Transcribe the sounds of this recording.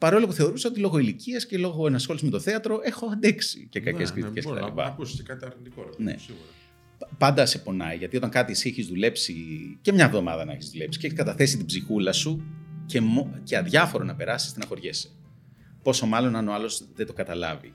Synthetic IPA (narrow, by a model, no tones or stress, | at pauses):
pɐɾo̞lopuθeo̞ɾuseot̪ilo̞ɣo̞iliciɐsce̞lo̞ɣo̞enɐsxo̞liszme̞t̪o̞θe̞ɐt̪ɾo̞e̞xo̞ɐnd̪eksḭce̞kɐceskɾit̪iceset̪ɐ̰lḭpɐ̰kuskɐt̪ɐɾid̪ikonḛ | pɐnd̪ɐse̞po̞nɐ̰iʝɐt̪io̞t̪ɐŋkɐt̪iesieçizðule̞psice̞mɲɐvðo̞mɐ̰ðɐnɐeçizðule̞psi̥ceeçiskɐt̪ɐθe̞sit̪ibzixulɐsuce̞moceɐðʝɐfo̞ɾonɐpe̞ɾɐsist̪enɐxo̞ɾʝese̥ | po̞so̞mɐlo̞nɐnoɐlo̞zðet̪oɡɐt̪ɐlɐ̰vḭ